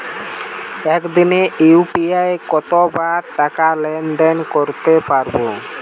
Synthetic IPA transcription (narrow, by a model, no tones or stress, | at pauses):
ɛkd̪ineʔiupiaekɔt̪obaʈakalɛnɖ̪enkoɾt̪epaɾbo